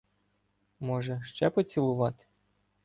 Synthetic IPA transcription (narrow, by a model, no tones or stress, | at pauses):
mɔʒɛʃt͡ʃɛpɔt͡sʲilˠʊʋɑt̪ɪ̥